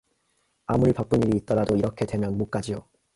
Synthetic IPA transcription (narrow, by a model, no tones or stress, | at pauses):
amuɾipak̚p͈uɲiɾiːt͈̚ʌɾadoiɾʌkʰe̞dwe̞mjʌnmok͈ad͡ʑijo